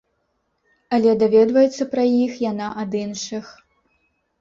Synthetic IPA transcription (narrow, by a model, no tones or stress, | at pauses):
ɐlʲɛd̪avʲɛd̪vɐjɛt̪sːɐpɾɐjixjanaʔɐd̪inʂɨx